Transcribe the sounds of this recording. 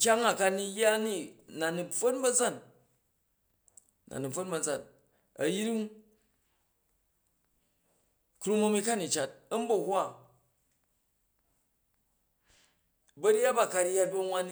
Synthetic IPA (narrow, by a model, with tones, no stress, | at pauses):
kʲa˦ŋa˨ka˧ni˧ja˦ni˦na˨nu˨b͡vo˦nbɐ˦d͡za˦˨n | na̰˨nu˨b͡vo˦nbɐ˨d͡za˦˨n | ɐ˨ji˦ɾi˦ŋ | kɾu˦mɐ˦mi˦ka˦˨ni˨t͡ʃa˨t̚ɐ˦m˦bɐ˦hwa˦˨ | bɐ˦ɾʲa˦ba˦˨ka˨ɾja˦t̚bɐ˦ŋwa˦n˦